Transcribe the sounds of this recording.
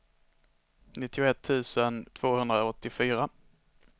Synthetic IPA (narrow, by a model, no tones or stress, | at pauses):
nɪt̪ʰːɪʊɛt̪ʰːʉ̟ːsənt̪ʰv̥oːhɵnd̪ɾaɔt̪ːɪfyːɾa